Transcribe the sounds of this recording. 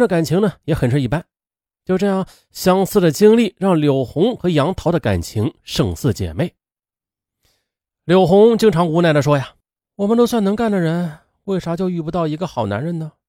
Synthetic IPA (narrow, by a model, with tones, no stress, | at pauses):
ə˧˩ka˨˩nt͡ɕʰi˧˥ŋnə˧jɛ˧˥xə˨˩nʈ͡ʂ̩ʰ˥i˥˩pa˥n | t͡ɕjo˥˧ʈ͡ʂɤ˥˧jɑ˥˩ŋ | ɕjɑ˥ŋsɹ̩˥˩d̪ə˩t͡ɕi˥ŋli˥˩ɻɑ˥˩ŋljo˨˩ʊxʊ˧˥ŋxɤ˧˥jɑ˧˥ŋt̪ʰɑ˧˥ʊd̪ə˧ka̰˨˩nt͡ɕʰi˧˥ŋʂɤ˥˩ŋsɹ̩˥˩t͡ɕjɛ̰˨˩me˥˩ɪ | ljo˨˩ʊxʊ˧˥ŋt͡ɕi˥ŋʈ͡ʂʰɑ˧˥ŋu˧˥na˥˩ə˩ʂ̬wɔ˥ja˨˩ | wɔ˨˩mə˧nt̪o˥ʊs̬wa˥˩nɤ˧˥ŋka˥˩nd̪ə˩ɻə˧˥n | we˥˩ɪʂɑ˧˥t͡ɕjo˥˧ʊy˥˩pu˧˥t̪ɑ˥˩ʊi˧˥ɡə˧xɑ˨˩ʊna̰˧˥nɻə˧˥nə˧